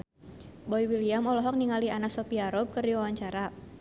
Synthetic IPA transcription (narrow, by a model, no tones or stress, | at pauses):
boiwiliamɔlɔɦɔk̚niŋalianaksɔpiaɾɔb̚kɨrdiwawaɲt͡ʃaɾa